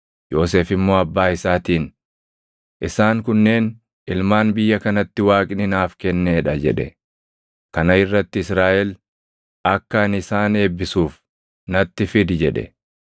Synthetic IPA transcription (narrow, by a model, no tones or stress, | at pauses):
jo̞ːs̬e̞ːfɪmːo̞ːɐbːaːɪsaːt̪iːn | ʔɪsaːŋkʊnːe̞ːn | ɪlmaːnbɪjːɐkɐnɐt̪ːɪwaːkʼɪnɪnaːfkɛnːeːᶑɐd͡ʒɛ̰ᶑɛ̰ | kɐnɐɪrːɐt̪ːɪɪsɾaːʔɛl | ɐkːɐnɪsaːne̞ːbːɪsuːf | nɐt̪ːɪfɪd̪d͡ʒɛᶑɛ̰